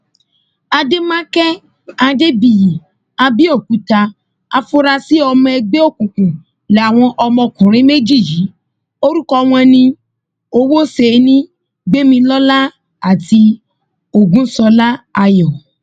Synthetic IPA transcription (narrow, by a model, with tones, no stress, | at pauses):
a˧de˦mã˦kɛ˦ | a˧de˦bi˨ji˨ | a˧bi˦o˦˨ku˨˦ta˧ | a˧fo˦ɾa˧si˦ɔ˧mɔ̃˧ɛ˧ɡ͡be˦o˦˨kũ˨kũ˨ | lɛ˨a˨w̃ɔ̃˧ʔɔ˧mɔ̃˧kũ˨ɾ̃ĩ˦me˦d͡ʒi˦˨ji˨˦ | o˦ɾu˦kɔ˧w̃ɔ̃˧nĩ˧ | o˧wo˦se˨˦nĩ˦ | ɡ͡be˦mĩ˧lɔ˦la˦ | a˦˨ti˧ | o˨ɡũ˦sɔ˧la˦a˧jɔ˨